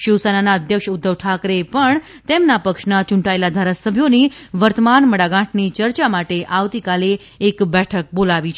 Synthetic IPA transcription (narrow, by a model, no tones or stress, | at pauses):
ʃɪwsananaəd̪ʱjəkʃud̪ʱːəʋʈʰakɾepəɳ | t̪emnapəkʃnat͡ʃũɳʈaelad̪ʱaɾasəbʱjoniʋəɾt̪əmanməɽaɡãʈʰnit͡ʃəɾt͡ʃamaʈeʔaʋt̪ikaleː | kbɛʈʰək̚bolaʋit͡ʃʰ